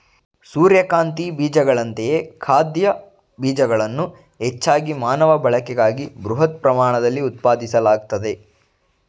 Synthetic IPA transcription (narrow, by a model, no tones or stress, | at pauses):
suːɾjɐkaːnt̪ibiːd͡ʒɐɡɐɭɐnt̪ejekʰaːd̪jɐ | biːd͡ʒɐɡɐɭɐnːu | ɦet͡ʃːaːɡimaːnɐʋɐbɐɭɐkɛɡaːɡibɾuɦɐt̪̚pɾɐmaːɳɐd̪ɐlːiut̪̚paːd̪isɐlaːɡ̚t̪ɐd̪e̞